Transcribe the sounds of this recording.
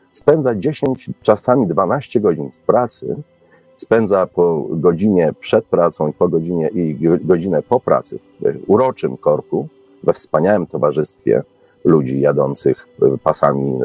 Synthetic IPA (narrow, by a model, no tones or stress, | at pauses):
spɛnd̪zad͡ʑeɕeɲt͡ɕt͡ʂasamʲid̪vanaɕt͡ɕɛɡɔd͡ʑinfpɾat̪sɘ̰ | spɛnd̪zapɔɡɔd͡ʑiɲɛpʂɛt̪̚pɾat̪sɔ̃w̃ipɔɡɔd͡ʑiɲɛʔiɡɔd͡ʑinɛpɔpɾʔa̰t̪sɘ̰fuɾɔt͡ʂɘmkɔɾku | vɛfspaɲawɛmt̪ɔvaʐɘst̪fʲjɛ̰ | lud͡ʑijad̪ɔnt̪sɘxpasa̰mʲḭ